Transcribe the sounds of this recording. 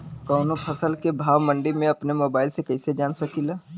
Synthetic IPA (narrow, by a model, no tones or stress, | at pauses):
kɔːnõpʰɐsəlkebʱaːʋmɐ̃ɳɖimẽɐpnemoːbaːɪlsekɛːsed͡ʒaːnsɐkilaː